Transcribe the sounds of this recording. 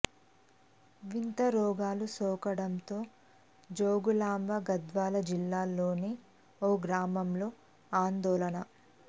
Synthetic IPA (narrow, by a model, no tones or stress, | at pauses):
ʋint̪ɐɾɔːɡaːlusɔːkɐɽɐnt̪o̞ː | d͡ʒoːɡulaːmbɐɡɐd̪ʋaːlɐd͡ʒilːaːlːoːneː | oːɡɾaːmɐmlo̞ː | aːnd̪ɔːlɐnɐ